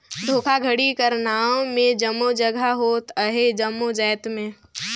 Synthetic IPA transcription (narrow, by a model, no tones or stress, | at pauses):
d̪ʱoːkʰaɡʱəɽikəɾnaːmẽd͡ʒəmːod͡ʒəɡʱaɦoːt̪əɦed͡ʒəmːod͡ʒɛːt̪mẽː